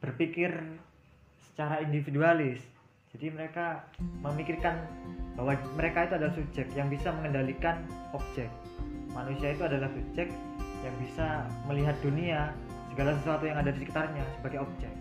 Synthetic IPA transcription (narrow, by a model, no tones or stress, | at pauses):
b̥ərpikɪr | sə̥t͡ʃaɾaindifidualɪs | d͡ʒ̥adiməɾekaməmikɪrkanb̥awaməɾekait̪uadalahsup̚d͡ʒɛkjaŋbisaməŋəndalikanɔp̚d͡ʒɛk̚ | manusiait̪uadalahsup̚d͡ʒɛk̚ | jaŋbisaməliɦat̪̚dunia | səɡalasəsuat̪ujaŋadadisikit̪arɲasəbaɡajɔp̚d͡ʒɛk̚